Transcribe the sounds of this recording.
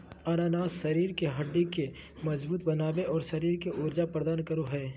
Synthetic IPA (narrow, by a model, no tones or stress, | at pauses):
aɾaːnaːsʃɐɾiːɾkeɦɐɖːike | mɐzbuːt̪bɐnaːbeʔɔːɾsɐɾiːɾkeʔʊɾd͡ʒapɾɐd̪aːnkɐɾoɦɛː